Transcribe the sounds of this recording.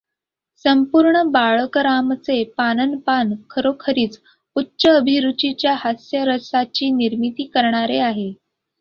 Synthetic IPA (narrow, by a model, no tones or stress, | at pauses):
səmpuɾɳəbaɭəkɾamt͡sepanənpankʰəɾokʰəɾiːt͡s | utːɕəːbʱiɾut͡ɕit͡ɕjahasjəɾəsat͡ɕiːniɾmit̪iːkəɾɳ̃aɾeaɦe